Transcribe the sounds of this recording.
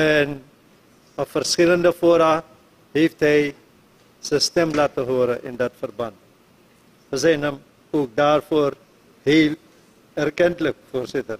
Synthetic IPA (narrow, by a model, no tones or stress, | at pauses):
ɛn | ɔpfərskɪləndəfoəɾa | ɦeːftɦɛj | səstɛmlatəɦoəɾəʔɪ̰ndɐtfərbant̚ | əz̬ɛjnəm | oːk̚daːrfoːər | heːl | ɛrkɛntlək̚foːrsɪtər